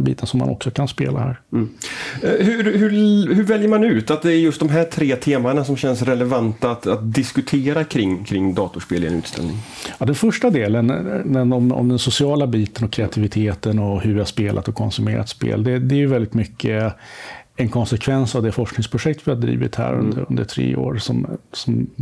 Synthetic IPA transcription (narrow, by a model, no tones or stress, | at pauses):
bḭːt̪ʰənsɔmːa̰nɔ̰ksɔkʰanspeːlahæːɾ | hɵhɵhɵɾvɛljəɾmanʉ̟ːt̪at̪̚d̪ɛːɾjɵst̪̚d̪ɔmɦæːt̪ʰɾeːt̪ʰeːmaɳasɔmɕɛnsɾɛlɛvant̪aat̪at̪̚d̪ɪskɵt̪ʰeːɾakʰɾɪŋːkʰɾɪŋːd̪ɑːt̪ʊʂpeːlɪɡənʉ̟ːt̪st̪ɛ̰lnɪ̰ŋ | ɑd̪ɛnfœʂʈad̪eːlənɛɔmɔ̰md̪ɛnsʊsɪɑːlabiːt̪ənɔkʰɾɛat̪ʰɪvɪt̪ʰeːt̪ənɔhɵvɪhaspeːlʔa̰t̪ɔkʰɔnsɵmeːɾa̰t̪spḛːld̪ɛd̪ɛæɾjɵvɛld̪ɪt̪mʏkːə | ɛnkʰɔnsɛkʰvɛnsavd̪ɛfɔʂknɪŋspʰɾʊʂɛk̚t̪vɪhad̪ɾḭːvɪ̰t̪hæ̰ːɾɵ̰nd̪əɵ̰nd̪əʈʰɾḛːo̰ːɾsɔ̰msɔm